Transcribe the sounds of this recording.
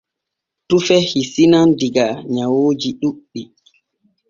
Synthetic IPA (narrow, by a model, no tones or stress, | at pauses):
tufɛhisinandiɡaɲawoːd͡ʒiɗuɗːi